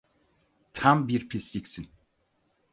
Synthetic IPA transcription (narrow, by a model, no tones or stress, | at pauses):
t̪ʰambiɾpʰislʲicsin